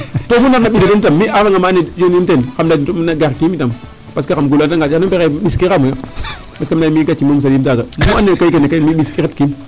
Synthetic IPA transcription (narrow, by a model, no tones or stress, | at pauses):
tofunaɾnaɓisetentamːiafaŋɡamaned͡ʒonimtenkamdanaɡaɾkimitam | paskakamɡulantaŋɡanpekeɓiskiamuja | paskamdamiɡat͡ʃimomus̬adimtaɡamuanekaikenekamiɓiskiketkin